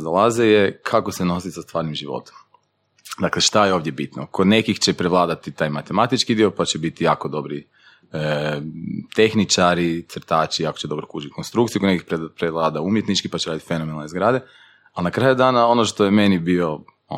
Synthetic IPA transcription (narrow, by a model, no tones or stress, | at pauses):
zalazejekʰakoseno̞sisast̪ʋaːɾnimʒiʋo̞̰t̪o̥m | d̪akle̞ʃt̪ajeo̞ːʋd̪jebit̪nokod̪ne̞kixt͡ʃepɾeʋlˠaːd̪at̪it̪aːjmat̪emat̪it͡ʃkid̪io̞pat͡ɕebit̪ijaːko̞d̪o̞bɾi | ə | t̪e̞xnit͡ʃaɾit̪sr̩t̪aːt͡ʃiakot͡ʃed̪o̞bɾokuːt͡ʃit̪konst̪ɾukt̪iukod̪nekipɾeʋlˠaːd̪aumjet̪nit͡ʃkipat͡ɕeɾaːd̪it̪i̥fe̞nomenalnezɡɾaːd̪e | alnakɾaːjud̪aːnao̞noʃt̪o̞jeme̞nibio̞ | o̰